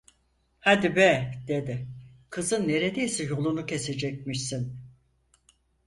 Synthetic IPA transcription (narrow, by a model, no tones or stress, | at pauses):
had̪ibɛd̪e̞d̪ɪkʰɯzɯnːe̞ɾed̪ejsɛjo̞lˠunucʰe̞se̞d͡ʒɛc̚miʃsin